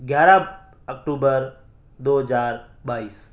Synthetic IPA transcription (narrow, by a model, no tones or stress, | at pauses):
ɡjaːɾa | əkʈuːbəɾ | d̪oːɦd͡ʒaːɾ | baːiːs